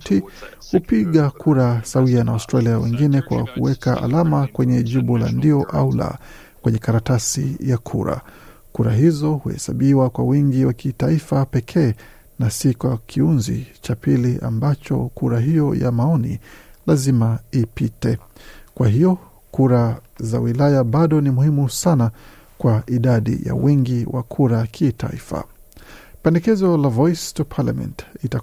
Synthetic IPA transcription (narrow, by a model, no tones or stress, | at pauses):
ti | hupiɠakʰuɾasawianaastɾaliawɛŋɡinɛkwa̰kuwɛkaʔa̰lamakwɛɲɛʄiɓula̰ndiɔʔa̰ula̰ | kwɛɲɛkaɾatasḭjakʰṵɾa̰ | kuɾaɦizɔhuhɛ̰saɓiwakwawiŋɡiwakitaifapɛkʰɛː | nasikwakʰiunzḭt͡ʃapiliʔa̰mbat͡ʃɔ̰kʰuɾaɦijɔja̰maɔnḭlazimaipitɛkwaɦijɔ | kuɾa | za̰wilajaɓaɗɔnimuhimusana | kwaʔiɗaɗḭja̰wiŋɡiwa̰kʰuɾakʰitʰa̰ḭfa̰ | pɛndɛkɛzɔlavɔjstupʰala̰mɛ̰̃ntita